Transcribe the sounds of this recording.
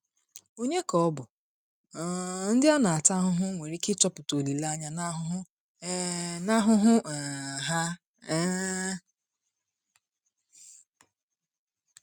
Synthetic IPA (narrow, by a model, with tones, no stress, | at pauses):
o˦ɲe˦kɔ˦ɔ˦bʊ˨˦ | n̩˦dɪ˦a˦na˨a˨ta˦ɦʊ˦ɦʊ˦ŋʷe˨ɾi˦kɪ˦tɔ˦pʊ˨to˨li˨la˦ɲa˦na˦ɦʊ˦ɦʊ˦ | na˦ɦʊ˦ɦʊ˦˨ɦa˦